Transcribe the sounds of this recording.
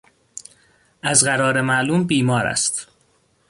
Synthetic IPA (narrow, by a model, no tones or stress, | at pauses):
ʔæzɢæɾɒːɾemæʔluːmbiːmɒːɾæ̰st̪